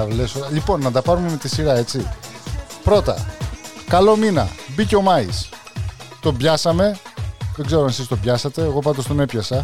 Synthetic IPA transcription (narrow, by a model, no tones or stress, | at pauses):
ɐlesolipo̞nːɐtd̪ɐpɐɾume̞me̞t̪isiɾɐe̞t͡si | pɾo̞t̪ɐ̰kɐlo̞minɐ̰biceo̞mɐis | t̪o̞bʝɐsɐme̞ðe̞ɡze̞ɾoɐne̞sist̪o̞bʝɐsɐt̪e̞ːɣo̞pɐt̪o̞st̪one̞pçɐsɐ